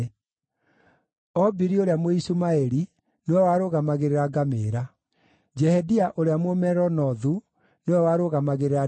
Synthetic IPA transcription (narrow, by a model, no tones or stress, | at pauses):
ɔbiɾioɾeamoisumaeɾi | newɛwaɾoɣamaɣeɾeɾaɡameɾa | d͡ʒɛhɛdiaʔoɾeamwomɛɾɔnɔðu | newɛwaɾoɣamaɣeɾeɾa